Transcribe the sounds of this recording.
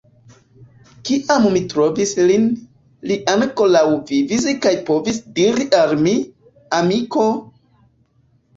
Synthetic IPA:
kiʔammitɾo̞vislin | liʔankolawvivis̬ikajpo̞visdiɾiʔalmi | amiko̞

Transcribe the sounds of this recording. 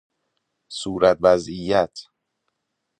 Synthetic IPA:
suːɾæt̪̚væzijæt̪ʰ

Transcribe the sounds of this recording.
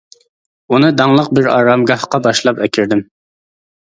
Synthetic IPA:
unɨd̪ɑŋlˠəq̚bɪɾɑ̰ːɾɑmɡɑhqɑbɑʃlˠɑpɛkʲʰiɾd̪ɪm

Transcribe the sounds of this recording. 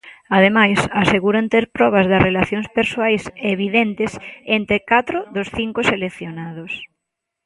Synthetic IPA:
aðemajsaseɣuɾant̪eɾpɾɔβ̞ɐzðɐsrelaθjoŋspeɾsoajseβiðent̪ɪsent̪ekat̪ɾʊðosθiŋkʊselekθjonaðʊs

